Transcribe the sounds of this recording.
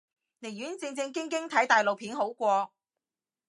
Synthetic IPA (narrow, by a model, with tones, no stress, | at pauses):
ne˨˩jyː˨˥nt͡sɪ˧ŋt͡sɪ˧ŋkɪ˥ŋkɪ˥ŋt̪ʰɐ˨˥jt̪aː˨jlo˨wpʰiː˨˥nɦo˨˥wkʷɔː˧